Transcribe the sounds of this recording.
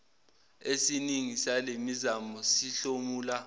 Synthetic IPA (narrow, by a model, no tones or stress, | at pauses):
esiniŋisalemizamɔsiɬomuːla